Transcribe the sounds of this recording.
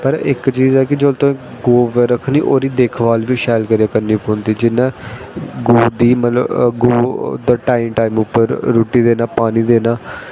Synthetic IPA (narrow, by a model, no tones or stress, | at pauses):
pəɾɪ̰kt͡ʃiːzɛːkɪd͡ʒolt̪õ | ɡoːʋəɾəkʰniːʔoːɾiːd̪eːkʰʋaːlʋiːʃɛːlkəɾiakənːiːpoːnd̪iːd͡ʒɪnːẽː | ɡoːd̪iːmət̪ləɡoːd̪aːʈaːimʈaːimʊpːəɾːuːʈiːd̪eːnaːpaːniːd̪eːnaː